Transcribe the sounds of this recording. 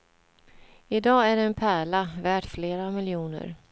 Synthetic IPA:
ɪd̪ɑːæɖɛːnpʰæːɭavæːʈfleːɾamɪljuːnə̰ɾ

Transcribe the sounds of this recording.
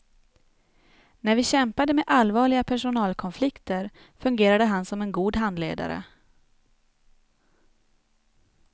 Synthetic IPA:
næɾvɪɕɛmpad̪əmeʔalvɑːɭɪɡapʰæʂʊnɑːlkʰɔnflɪkt̪əɾ | fɵŋɡeːɾad̪əɦansɔmɛnɡuːd̪ɦand̪lḛːd̪a̰ɾə̰

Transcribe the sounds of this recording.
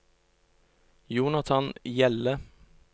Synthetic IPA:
juːnɑt̪ʰɑnjɛlə

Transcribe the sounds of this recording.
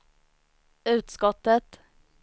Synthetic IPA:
ʉːt̪skɔt̪ət̪

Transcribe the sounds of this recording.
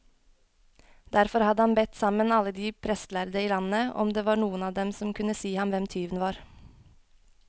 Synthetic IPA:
d̪̥æɾfɔɾhɑd̪əhɑnbɛt̪sɑmənɑləd̪iːpʰɾɛst̪læɾd̪əiːlɑnəɔ̰md̪eːʋɑːɳuːənɑːd̪ɛmsɔmkʰʉnəsiːhɑmʋɛmt̪ʰyːʋn̩ʋɑːɾ

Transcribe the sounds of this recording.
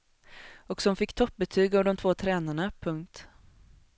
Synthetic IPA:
ɔksɔmfɪkːt̪ʰɔp̚ːbɛt̪ʰyːɡavd̪ɔmt̪ʰvoːt̪ʰɾɛːnaɳapʰɵŋk̚t̪

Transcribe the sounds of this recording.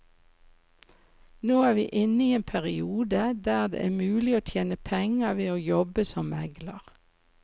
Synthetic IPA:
noːæːʁʋiːʔɪnəiːeːnpʰæʁɪuːd̪əd̪æːʁd̪ḛʔæːmʉːlɪoːt̪ʰjeːnəpʰɛŋəʋeːoːjɔbəsɔmɛɡləʁ

